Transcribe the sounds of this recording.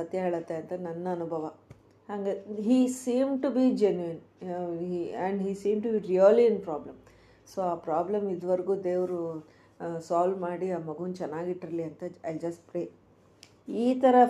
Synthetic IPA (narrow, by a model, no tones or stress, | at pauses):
sɐt̪jɐɦeːɭɐt̪ːeɐnt̪ɐnɐnːɐːnubʱɐʋɐ | haːŋɡeɦiːsĩːmʈubid͡ʒenjuin | iɛ̃ɳɖɦiːsĩːmʈubiɾiɐliinpɾaːblɐm | soːaːpɾaːblemid̪ɐʋɐɾɡuːd̪eːʋɐɾu | saːlmaːɽiaːmɐɡuʋɐnt͡ʃɛnːaːɡiʈːiɾɐliɐnt̪ɐɐjld͡ʒɐsʈ̚pɾeː | iːt̪ɐɾɐ